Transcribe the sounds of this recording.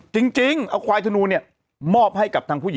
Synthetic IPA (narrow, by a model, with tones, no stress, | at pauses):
t͡ɕi˧ŋt͡ɕi˧ŋʔa˧˩wkʰwaː˧jt̪ʰa˧nuː˧ni˥˩ɐ | mɔː˥˩p̚ha˥˩jka˨˩p̚t̪ʰaː˧ŋpʰuː˥˩i